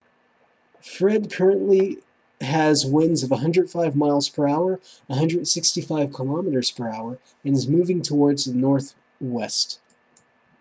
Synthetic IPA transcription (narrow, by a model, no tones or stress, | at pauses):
fɹɛd̚kʰɜ˞ɨ̃nʔli | ɨzwɪ̃nzʌvəɦʌ̃ndɹəd̥faɪvmaɪlˠz̥pʰə˞aʊə˞ | əɦʌ̃ndɹɨd̥sɪkstifaɪv̥kʰəlɑmɨɾə˞z̥pʰə˞aʊə˞ | ɨ̃nɨzmʉvɪ̃ŋtʰəwɔɹdzðənɔɹθ | wɛst